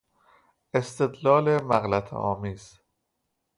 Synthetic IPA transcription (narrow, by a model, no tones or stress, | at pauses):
e̞st̪ʰe̞d̪lɒːlemæɣlæt̪ʰɒ̰ːmiːz̥